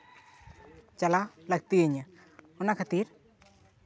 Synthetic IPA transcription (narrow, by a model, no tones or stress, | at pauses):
t͡ʃalalak̚t̪iɲa | unakʰat̪iɾ